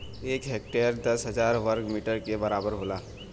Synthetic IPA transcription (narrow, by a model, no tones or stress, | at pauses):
eːkɦeːk̚ʈejəɾd̪ɐsɦɐd͡ʒaːɾʋəɾkmiːʈəɾkebɐɾaːbəɾɦoːlaː